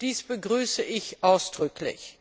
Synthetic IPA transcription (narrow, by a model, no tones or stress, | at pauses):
d̥iːsb̥əɡʁyːsəʔɪçʔaʊsd̥ʁʏklɪ̰ç